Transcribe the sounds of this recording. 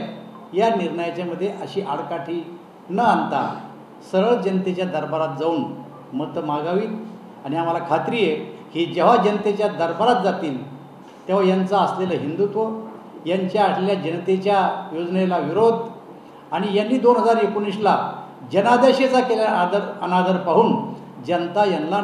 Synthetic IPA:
janiɾɳəjat͡ɕjaməd̪ʱːjeʔəɕiːʔaɽkaʈʰiː | nəant̪a̰ | səɾəɭd͡ʑənt̪et͡ɕjad̪əɾbaɾat̪̚d͡zauːn | məɡ̚t̪əmaɡaʋiːt̪ | aɽ̃iam̤alakʰat̪ɾijehid͡ʑeʋad͡ʑənət̪et͡ɕjad̪əɾbaɾat̪̚d͡zat̪iːl | t̪eʋ̤ajant͡saəsleləɦind̪ut̪ʋo | jaɲt͡ɕjaːʈljad͡ʑənt̪et͡ɕjajod͡znelaʋiɾod̪ʱ | aɽ̃ijanːiːd̪onɦəd͡zaɾekunisla | d͡ʑənad̪eɕet͡sakeljad̪əɾənad̪əɾpaɦuːn | d͡ʑənt̪ajanla

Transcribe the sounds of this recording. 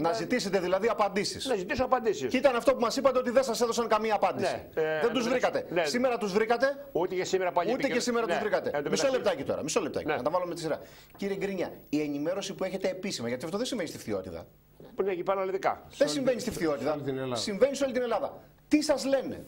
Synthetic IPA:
nɐzit̪ise̞t̪e̞ðilɐðiɐpɐnd̪isḭsnɐzit̪isoɐpɐnd̪isisit̪ɐnɐft̪o̞pumɐsipɐt̪eot̪iðensɐse̞ðo̞sɐŋkɐmiɐːpɐnd̪isiðed̪uzðɾikɐt̪e̞nssime̞ɾɐt̪uzðɾikɐt̪e̞ut̪ecesimeɾɐpɐlut̪ecesimeɾɐt̪uzðɾikɐt̪ed̪misolep̚t̪ɐcit̪o̞̰ɾɐ̰miso̞lept̪ɐ̰cenɐt̪ɐvɐlumet̪i̥siɾɐ̰ | ciɾieɡɾiɲɐie̞nime̞ɾo̞sipue̞çe̞t̪e̞ːpisimɐʝɐt̪iɐft̪oðesiɱve̞nist̪ift̪io̞̰t̪it̪ɐ̰ | neipɐɾɐliðikɐ̰ðensimve̞nist̪ift̪io̞t̪it̪ɐnlsiɱve̞niseo̞lit̪ine̞lɐðɐ̰ | t̪isɐzle̞nḛ

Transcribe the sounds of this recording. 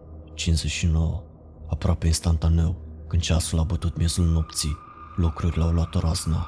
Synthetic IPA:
t͡ʃinzeʃino̞wə | apɾoape̞inst̪ant̪ane̞wkɨnd̪t͡ʃasulabət̪ut̪mʲjezulno̞pt̪si | lukɾuɾʲleawlat̪oɾazna

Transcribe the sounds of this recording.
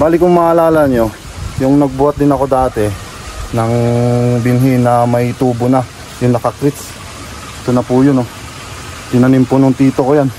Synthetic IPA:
baːlɪkʊŋmaʔɐlaːlɐnjo̞ | jʊŋnɐɡ̚bʊwɐt̪̚d̪ɪnɐko̞d̪aːt̪ɛ | nɐŋbɪnɦɪnɐmɐit̪uːbona | jʊŋnɐkɐkɾɪt̪s | ʔɛt̪onɐpʊjono | t̪ɪnɐnɪmponoŋt̪iːt̪okojan

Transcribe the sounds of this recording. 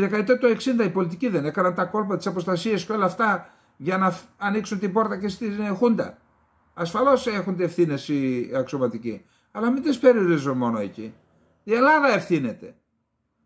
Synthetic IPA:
ðekɐet̪et̪oe̞ksind̪ɐipo̞lit̪iciðe̞ne̞kɐnɐnt̪ɐko̞lpɐt̪isɐpo̞st̪ɐsiɐsceo̞lɐːft̪ɐ | ʝɐnɐɐniksunt̪ibo̞ɾt̪ɐcest̪inxund̪ɐ̰ | ɐsfɐlo̞se̞xund̪eefθine̞siɐksio̞mɐt̪ici | ɐlɐmind̪ispe̞ɾioɾizonmo̞no̞e̞̰ci | ie̞lɐðɐe̞fθine̞t̪e̞

